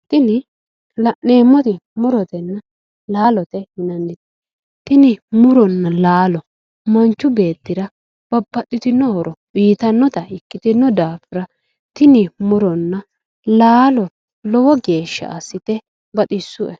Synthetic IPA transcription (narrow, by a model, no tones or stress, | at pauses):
t̪ɪnɪ | lɐneːmːɔt̪ɪmʊɾɔt̪ɛnːɐ | laːlɔt̪ɛhɪnɐndɪt̪ | t̪ɪnɪmʊɾɔnːɐlaːlɔ | mɐnt͡ʃːʊbe̞ːt̪ːɪɾɐ | b̥ɐbːɐt̪ʼːɪt̪ɪnːɔhɔɾɔwiːt̪ɐnːɔt̪ɐɪkːɪt̪ɪnːɔd̪aːfɪɾɐ | t̪ɪnɪmʊɾɔnːɐ | laːlɔ | lɔwɔɡe̞ːʃːɐ̰ʔa̰sːɪt̪ɛ | bɐt̪ʼɪsːʊʔɛ